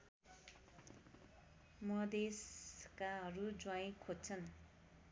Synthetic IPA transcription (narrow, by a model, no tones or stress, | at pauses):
mʌd̪eskaɦʌɾud͡zwaĩkʰod̚t͡sʰʌn